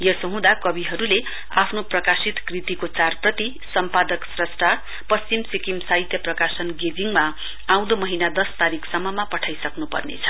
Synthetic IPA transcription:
jʌsoɦũd̪akʌbiɦʌɾule | apʰnoprʌkasit̪krit̪ikot͡sarprʌt̪i | sʌmpad̪ʌksrʌsʈʰa | pʌst͡simsikimsait̪jʌprʌkasʌnɡed͡ziŋma | aw̃d̪omʌɦinad̪ʌst̪aɾiksʌmːʌmapʌʈʰajsʌknupʌ̰rnḛt͡sʰʌ̥

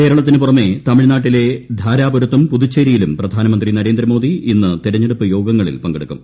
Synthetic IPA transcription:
ke̞ːɾɐɭɐt̪ːinɨpurɐmːe̞t̪ɐmiɻnaːʈːile̞d̪ʱaːɾaːboɾut̪ːumpudut͡ɕːeːɾijilumprɐd̪ʱaːnɐmɐnd̪rinɐɾe̞ːnd̪rɐmo̞ːd̪ʱiinːɨt̪iɾɐɲːeɽupːɨjo̞ːɡɐŋːɐɭḭlpɐŋɡeɽukːum

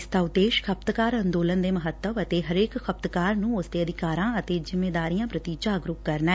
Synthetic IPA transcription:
st̪aːʊd̪eːʃkʰəp̚t̪kaːɾə̃nd̪oːlənd̪eːməɦət̪ːəʋət̪eːɦəɾeːkkʰəp̚t̪kaːɾnũːʊsd̪eːəd̪ɪkaːɾãːət̪eːzɪmːeːd̪aːɾijãːpɾət̪iːd͡ʒaːɡɾʊkkəɾnaː

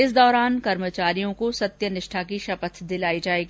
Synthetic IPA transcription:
ɪsd̪ɔːɾaːnkɐɾmət͡ʃaːɾijõkosɐt̪jənɪʃʈʰakiʃɐpət̪ʰd̪ɪlaːid͡ʒaːeːɡi

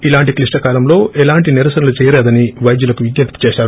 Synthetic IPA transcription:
ilaːɳʈiklisʈɐkaːlɐmlo̞ːʔɛlaːɳʈiniɾɐsɐnɐlut͡ʃɛːjɐleːd̪ɐniʋɐjd̪julɐkuʋiɡ̪jɐt̪i̥t͡ʃeːʃaːɾu

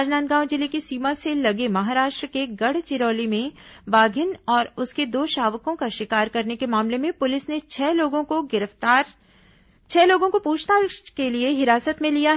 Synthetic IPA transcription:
aːd͡ʒnãːnt̪̚ɡãːw̃d͡ʒɪlikisiːmaselɐɡemɐɦaːɾaːʃʈɾəkeɡɐɽ̤t͡ʃɪɾoːlimẽbaːɡʱɪnɔːɾʊsked̪oːʃaːʋkõkaʃɪkaːɾkɐɾnekemaːmlemẽpʊlɪsnet͡ʃʰɛloːɡõkoɡɪɾəft̪aːɾ | t͡ʃʰɛːloːɡõkopuːt͡ʃtakelieɦɪɾaːsət̪mẽlijaɦ

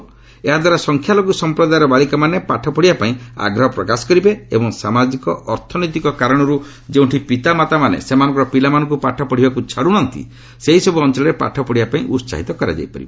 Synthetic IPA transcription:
eɦad̪waɾasɔŋkʰjaloɡusɔmpɾɔd̪ajɾɔbaɭikɔmanepaʈʰɔpɔɽibapaĩa̰ɡɾɔɦɔpɾɔkasɔ̥kɔɾibeebɔŋsamad͡ʒikɔʔɔɾt̪ʰɔnɔjt̪ikɔkaɾɔɽ̃ɔɾu | d͡ʒeũɳʈʰipit̪amat̪amanḛsemanɔŋkɔɾɔpilamanɔ̃ŋkupaʈʰɔpɔɽ̤ibakut͡ʃʰaɽuɽ̃ɔnt̪ḭ | seɦisɔbuɔnt͡ʃɔlɔɾepa̰ʈʰɔpɔɽibapaĩʔutsa̰ɦit̪ɔkɔɾa̰d͡ʒa̰jpa̰ɾibe

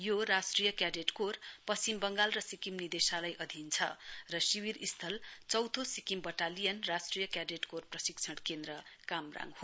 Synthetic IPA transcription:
joɾasʈrijʌkjaɖeʈkorpʌst͡simbʌŋɡalrʌsikimnid̪esalajʔʌd̪ʱint͡sʰʌ̰rʌsiwiɾist̪ʰʌlt͡sʌwt̪ʰosikimbʌʈalijʌnrasʈrijʌkjaɖeʈkorprʌsikt͡sʰʌɽkend̪ɾʌkamra̰ŋɡɦo

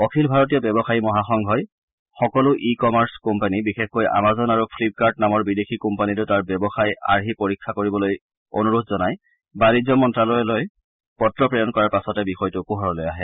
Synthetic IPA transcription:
ɔkʰilbʱaɹɔt̬ijɔbɔbɔxaimɔɦaxɔŋɡʱɦɔj | xɔkɔlʊʔikɔmaɹskɔmpanibixexkojʔa̰mazɔnaɹupʰlip̚kaɹdnamɔɹbidexikɔmpanitʊtaɹbɔbɔxaja̰ɹɦipoɹikʰːakoɹibɔloj | o̰nuɹutʰzɔnaj | baɹizɔmɔntɹalɔjɔloj | pɔtɹɔpɹejɔnkɔɹaɹpasɔtɛbixɔjtʊkuɦɔɹɔlojaɦɛ

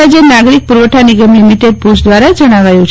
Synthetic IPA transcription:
ad͡ʑenaɡɾik̚puɾʋəʈʰaniɡəmlimiʈeɖ̚pusd̪ʋaɾad͡zəɽ̃aʋajot͡ʃ

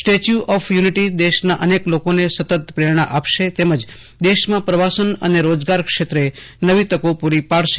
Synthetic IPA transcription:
sʈet͡ʃjuʔɔfʰjuniʈid̪eʃnaʔəneklokonesət̪ət̪̚pɾeɾɳ̃aʔapʃet̪eməd͡ʒ | d̪eʃmãpɾəʋasənə̰neɾod͡ʒɡaɾkʃet̪ɾe | nəʋit̪əkopuɾipaɽʃe̥

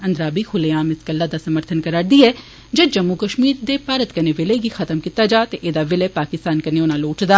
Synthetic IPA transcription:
ɐ̃nd̪ɾaːbixʰʊleaːmɪskəlːad̪asəməɾt̪ʰənkɐɾaːɾd̪iɛː | d͡ʒed͡ʒəmːukəʃmiːɾd̪epaːɾət̪kɐneʋɪleɡixʰɐt̪əmkit̪ad͡ʒaːt̪eʔeːd̪aʋɪlepaːkɪst̪aːnkɐneonãloːʈd̪aː

